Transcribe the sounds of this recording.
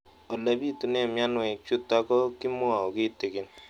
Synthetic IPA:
ɔ˨la˨bi˦tu˨ne˦˨mja˦nwɛ˨kt͡ʃu˦tːa˦kɔ˦kɪ˦mʊ˦a˨ɔ˨kɪ˦tɪ˨kɪ˨n

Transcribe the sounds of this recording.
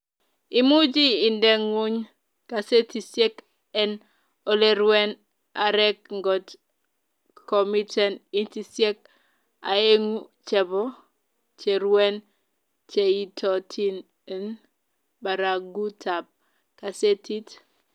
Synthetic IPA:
i˨mu˦d͡ʒiː˦˨ndɛ˦ŋwu˦ɲ | ka˨se˦ti˨sje˦k | ɛ˦n | o˦le˦ɾwɛ˦n | a˨ɾɛ˦k̚ŋɡɔ˨t | kɔ˨mi˦tɛ˦ni˦nti˨sje˦k̚ | a̰˨e˦ŋu˦t͡ʃɛ˨bɔ˦ | t͡ʃe˨ɾwɛ˦n | t͡ʃe˨i˦tʰɔ˨tʰi˦n | ɛ˦n | ba˨ɾa˨ɡu˦tʰa˨b̚ | ka˨se˦tʰi˦t

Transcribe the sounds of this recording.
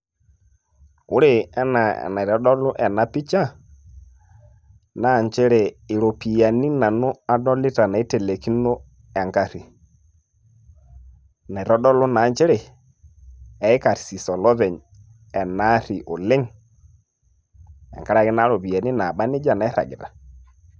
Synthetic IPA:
ʊ˦ɾe˦ɛ˦na̰˨na˨ɾɔ˦dɔ˦lʊ˦ʔɛ˨na˨pi˦t͡ʃa˦ | na˦˨ɲt͡ʃe˦ɾe˨ɪ˨ɾo˨pi˨ja˨ni˦na˨nʊ˦a˦dɔ˦lɪ˦ta˨na˨i˦te˨le˨ki˦no˦ | ɛ˨ŋka˦ɾi˨ | na˨i˨ɾɔ˦dɔ˦lʊ˦na˨ɲt͡ʃɛ˦ɾe˨ | ɛ˨˦ka˨ɾsi˨sɔ˨lɔ˦ðɛ˨ɲ | ɛ˨na˦ɾi˨ʔo˨lɪ˦ŋ | ɛ̰˨ŋka˦ɾa˦˨kɪ˦na˦ɾo˨pi˨ja˨ni˦na˨ɓa˦nɪ˦d͡ʒa˨na˨i˦ɾa̰˨ɡɪ˨ta˨

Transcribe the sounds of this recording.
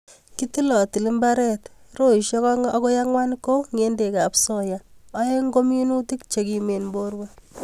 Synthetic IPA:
kiti˦lɔ˨ti˨li˦mba˦ɾɛ˦tro˦i˨ʃjɔ˦kɔ˦ŋɔ˦ko˦ja˦ŋwa˦nko˦ŋe˦nde˨ka˨pso˨jaː˦je˦ŋɡo˦mi˦nu˦ti˦k̚t͡ʃe˦ki˨me˨nmbo˦ɾwa˦

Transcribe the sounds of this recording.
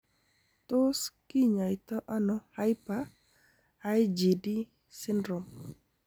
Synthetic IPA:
t̪o˦ski˦ɲa˨ɪt̪ɔ˦ʔa˦nɔ˨ha˦jpaː˦ | jd͡ʒi˨di˦ | sɪ˦ndɾɔ˨m

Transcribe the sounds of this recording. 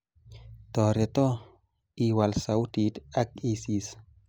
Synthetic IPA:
t̪ɔ˨ɾe˨t̪ɔ˦ | i˨wa˨lsa˨wt̪i˨t̪a˦k̚isis

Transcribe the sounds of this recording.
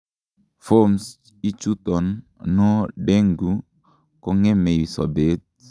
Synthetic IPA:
fo˦ms | i˦t͡ʃu˦t̪ɔ˨n | nɔ˦de˦ŋɡu˨ | kɔ˦ŋɛ˦me˨ji˨sɔ̰˨be˦t̪̚

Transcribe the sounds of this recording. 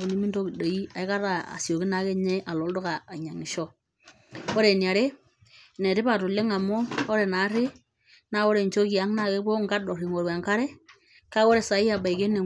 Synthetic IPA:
ku˨ni˦mi˦ndo˦ki˨do˨i˦a˨ɪ˦ka˦ɾa˨a̰˨sjo˨ki˦na˨˦ke˦ɲe˦ʔa˨lo˨ldo˦kaː˨ɲa˨ŋi˨ʃɔ˦ | o˦ɾe˨nja˨ɾe˦ | ne˨ɾɪ˦pa˨tʊ˨le˦ŋa˨moː˦ɾe˨na˨˦ɾɪ˦ | na˦o˦ɾe˨ɲt͡ʃo˦ki˨a˨˦ŋna˦˨ke˦bo˦ŋ˦ɡa˦dɔ˨ɾi˨ŋo˨ɾwa˨ŋka˦ɾɛ˦ | ka˦o˦ɾe˨sa˨˦i˦a˨ba˨i˨ke˦ne˨

